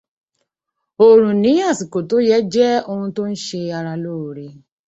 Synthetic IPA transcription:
o˨ɾ̃ũ˨nĩ˨˦a˦˨si˨ko˨to˨˦jɛ˦d͡ʒɛ˦o˧hũ˧to˦n̩˦ʃe˧a˧ɾa˧lo˦˨ɾe˧˨

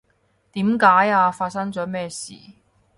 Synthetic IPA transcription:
t̪iː˨˥mkaː˨˥jaː˧faː˧t̚sɐ˥ŋt͡sɔː˨˥mɛː˥sḭː˨˩

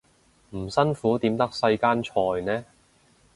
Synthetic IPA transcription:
m̩˨˩sɐ˥nfuː˨˥t̪iː˨˥mt̪ɐ˥k̚sɐ˧jkaː˥nt͡ʃʰɔː˧jnɛː˥

